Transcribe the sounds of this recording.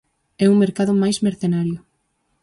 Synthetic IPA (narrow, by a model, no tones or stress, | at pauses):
ɛuŋmeɾkaðʊmajsmeɾθenaɾjʊ